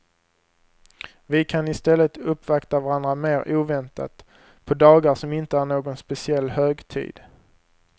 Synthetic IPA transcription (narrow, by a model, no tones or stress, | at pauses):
vɪkʰanɪst̪ɛlːət̪ɵpːvakt̪avaɾand̪ɾameːɾʔuːvɛnt̪ʰa̰t̪ | pʰɔd̪ɑːɡaʂɔmɪnt̪əæɾɳoːɡɔnspɛsɪɛlːhøːɡt̪ʰḭːd̪̥